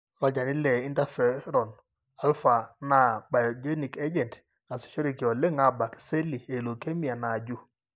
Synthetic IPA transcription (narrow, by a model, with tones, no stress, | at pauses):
ɾɔ˦d͡ʒa˨ni˦lɛ˨i˦nta˦fɛ˨ɾɔ˨n | a˦lfa˨na˨ba˨jɔ˨d͡ʒe˦ni˨ke˦d͡ʒɛ˨nt | a˨si̥˨ʃɔ˦ɾi˨ki˨ɔ˨le˦ŋa˦ba˨ki̥˨se˦li˨e˨lo˨ke˦mi˨a˨na˨d͡ʒu˦